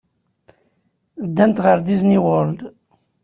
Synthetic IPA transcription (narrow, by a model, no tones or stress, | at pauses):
d̪ːænt̪ʁəɾd̪izniwəld̪